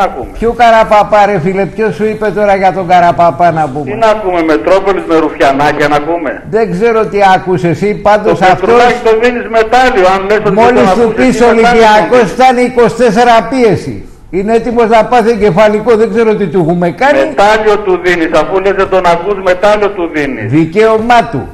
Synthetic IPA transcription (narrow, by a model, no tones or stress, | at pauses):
ɐkumepçokɐɾɐpɐpɐɾefilepço̞suipe̞t̪o̞ɾɐʝɐt̪o̞ŋɡɐɾɐpɐpɐnɐpuminɐkume̞met̪ɾo̞polizmeɾufçɐnɐcenɐkumḛðe̞ɡze̞ɾoot̪iɐkusesipɐnd̪o̞sɐft̪ot̪oðinizmet̪ɐlioɐnlesomo̞list̪uspisoliiɐko̞st̪ɐniko̞si̥t̪e̞s̬e̞ɾɐpie̞sḭ | ineet̪imo̞znɐpɐθeɲɟe̞fɐliko̞ðe̞ɡze̞ɾoot̪it̪uixume̞kɐnmeit̪ɐliot̪uðinisɐfulezet̪onɐkuzme̞t̪ɐliot̪uðinḭsðice̞omɐt̪ṵ